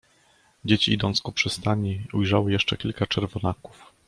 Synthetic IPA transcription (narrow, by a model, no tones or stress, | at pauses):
d͡ʑet͡ɕiid̪ɔ̃nt̪skɔpʂɛst̪aɲiujʐawɘjɛʂt͡ʂɛkʲilkat͡ʂɛɾvɔnaku̥f